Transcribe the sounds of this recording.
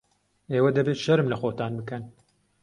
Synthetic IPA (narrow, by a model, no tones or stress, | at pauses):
eːwɐd̪ɐbet̪ʃɐɾɨmlɐxoːt̪aːnbɨkɐn